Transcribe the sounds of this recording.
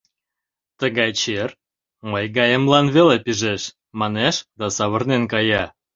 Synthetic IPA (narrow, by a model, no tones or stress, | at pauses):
t̪əɣɑjt͡ɕer | məjɡɑjəmlɑnβelepiʒeʃ | mɑneʃd̪ɑsɑβərnenkɑjɑ